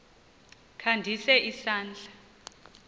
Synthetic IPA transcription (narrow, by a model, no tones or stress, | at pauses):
kʰandʱisɛʔisaːnd͡ɮʱḁ